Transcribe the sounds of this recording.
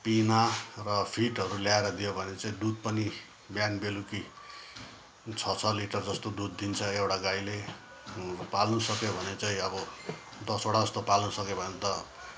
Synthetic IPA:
pinarʌpʰiʈɦʌɾuljaeɾʌd̪ijobʱʌnet͡saĩɖut̪̚pʌni | bjanbeluki | t͡sʰʌt͡sʰʌliʈʌrd͡zʌst̪oɖud̪ːint͡sʰʌewʈaɡajle | palnusʌkjobʱʌnet͡saĩʌbʌ | d̪ʌsoɽad͡zʌst̪opalnusʌkjobʱʌnet̪ʌ

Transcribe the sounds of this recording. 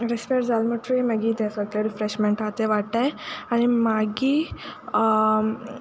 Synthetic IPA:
ɾispejɾd͡zalməʈiməɡiːt̪ɛsʋəɡleɾifɾeɕmeɳʈɾat̪eʋaɽt̪ajaɽ̃imaɡiː

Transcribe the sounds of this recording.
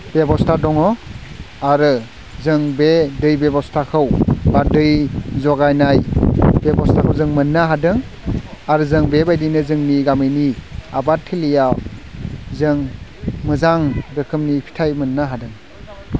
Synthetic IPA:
bebɔstʰadɔŋɔ | aɾɯ | zɯŋbedɯjbebɔstʰakʰɯwbadɯjzɔɡajnajbebɔstʰakʰɯwzɯŋmɯnːaɦadɯŋ | aɾɯzɯŋbebajdinɯzɯŋniɡamɯjnia̰batʰːilija | zɯŋmɯzaŋɾɯkʰɯmnipʰi̥tʰajmɯnːaɦadɯŋ

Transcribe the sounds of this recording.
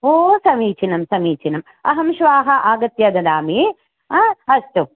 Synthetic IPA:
oːsɐmiːt͡ʃinɐmsɐmiːt͡ʃʰinɐm | ɐ̰ɦɐmʃʋaːɦɐʔaːɡɐt̪jɐd̪ɐd̪aːmi | ɐsʈu

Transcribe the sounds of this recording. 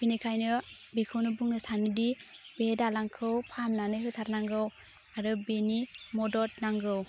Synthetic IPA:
b̥inikʰajnɯbikʰɯwnɯbuŋnɯsanɯdibedalaŋkʰɯwpʰamnanɯɦɯtʰaɾnaŋɡɯw | aɾɯbenimɔdɔt̚naŋɡɯw

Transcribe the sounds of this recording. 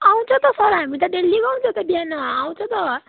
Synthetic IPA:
aw̃t͡sʰʌ̃t̪ʌsʌɾɦamit̪ʌɖelːiɡaw̃t͡sʰʌ̃t̪ʌbjanʌaw̃t͡sʰõt̪ʌ

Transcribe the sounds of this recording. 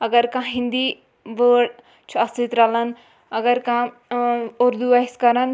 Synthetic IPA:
ɐɡɐɾkãɦĩnd̪iː | ʋəːɽ | t͡ʃʰuɐst̪it̪ɾɐlɐn | ɐɡɐɾkã | oɾd̪uʋɐiskɐɾɐn

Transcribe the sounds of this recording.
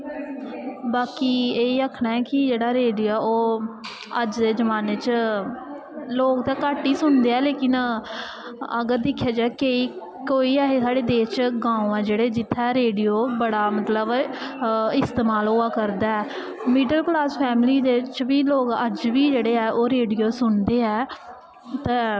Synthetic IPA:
baːkiːeːiəkʰːɳaːɛːkɪd͡ʒeːɽaːɾeːɖijoːɛːoː | əd͡ʒd̪eːd͡ʒəmaːneːt͡ʃ | loːk̚t̪aːkaːʈːiːsʊnd̪eːɛːleːkɪn | ə̰ɡəɾd̪ɪkʰːjaːd͡ʒaːkeːiː | koːiːaːɦeːsaːɽeːd̪eːt͡ʃɡãːũɛ̃ːd͡ʒeːɽeːd͡ʒɪt̪ʰːaɛːɾeːɖijoːbəɽaːmət̪ləb | ɪst̪eːmaːlʊːaːkəɾd̪aːɛː | miːɖəlklaːspʰɛːmliːd̪eːt͡ʃʋiːloːkəd͡ʒʋiːd͡ʒeːɽeːɛːʔoːɾeːɖijoːsʊnd̪eːɛː | t̪ɛ̃ː

